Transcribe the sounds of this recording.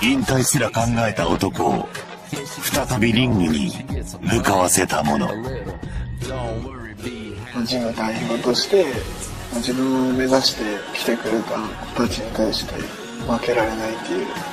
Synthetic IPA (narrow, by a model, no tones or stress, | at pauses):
ĩnt̪aisɨɾakãŋɡae̞t̪aot̪o̞koo̰ | ɸɯ̟̥t̪at̪abʲiɾʲĩŋɡɯ̟ɲ̟ḭmɯ̟kaβase̞t̪amo̞̰no̞̰ | a | mad͡ʑimɯ̟d̪aiço̞ːt̪o̞ɕi̥t̪e̞ | mad͡ʑibɯ̟̃ɰ̃ome̞zaɕi̥t̪e̞kʲi̥t̪e̞kɯ̟ɾet̪ako̥t̪at͡ɕiɲ̟it̪aiɕi̥t̪e̞̰ | βake̞ɾaɾe̞nait̪ːejɯ̟ː